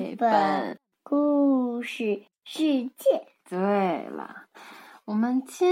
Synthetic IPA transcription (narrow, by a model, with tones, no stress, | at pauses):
pə˨˩˨ | ku˥˧ʂɻ̩˥˩ | ʂɻ̩˥˧t͡ɕjɛ˥˩ | t̪we˥˩ɪlə̰˩wɔ˨˩mə˦nt͡ɕʰi˥